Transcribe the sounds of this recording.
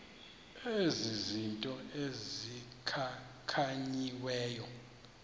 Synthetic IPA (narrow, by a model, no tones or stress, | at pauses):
ezizintʼɔezikʰakʰaɲiwɛːjɔ